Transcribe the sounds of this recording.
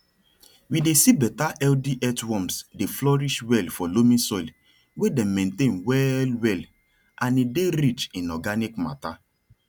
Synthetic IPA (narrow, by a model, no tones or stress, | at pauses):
widesibɛtaʔɛldiʔɛtwɔ̃msdeflɔɾiʃwɛlfɔlomĩsɔil | wedɛ̃mːẽntẽnwɛlwɛl | ãnideɾit͡ʃĩnɔɡanikma̰ta